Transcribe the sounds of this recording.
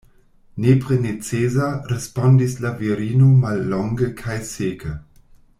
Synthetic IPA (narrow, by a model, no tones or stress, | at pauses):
nepʁenet͡seːzaɾespɔndislaviɾiːnomalːɔŋɡəkʰajseːkʰə